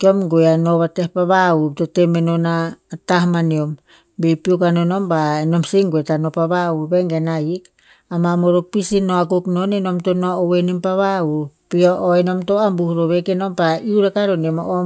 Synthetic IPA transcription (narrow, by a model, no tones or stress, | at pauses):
kiomɡojanoβatehpaβautotemenonaːtahmaniom | bepiokanonombaenomsiŋɡoetanopaβaubeŋɡenaik | amamoɾok̚pisinoakuknonenomtonoːwenimpaβaupioʔoenomtoambuhɾoβekenompaiuɾakaɾonemoʔo